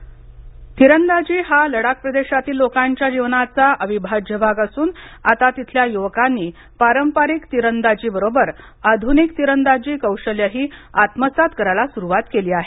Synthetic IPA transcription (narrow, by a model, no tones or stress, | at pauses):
t̪iɾənd̪ad͡ʑiːɦaləɽak̚pɾəd̪eɕat̪iːlːokaɲt͡ɕjad͡ʑiʋnat͡saʔəʋibʱad͡ʑjəbʱaɡasuːnat̪at̪it̪ʰljajuʋəkanːiː | paɾəmpaɾikt̪iɾənd̪ad͡ʑiːbəɾobəɾ | ad̪ʱunikt̪iɾənd̪ad͡ʑiːkəwɕəljəɦiːat̪məsat̪kəɾalasuɾuʋat̪keliːaɦe